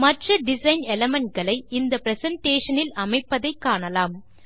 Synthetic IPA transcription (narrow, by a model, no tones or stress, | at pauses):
mɐʈrɐɖɪsɐɪnɛlɐmɛɳʈ̚ɡɐɭɐɪɪnd̪ɐpɪɾɛsɐɳʈeːʂɐnɪlɐmɐɪpːɐðɐɪkːaːɳɐlaːm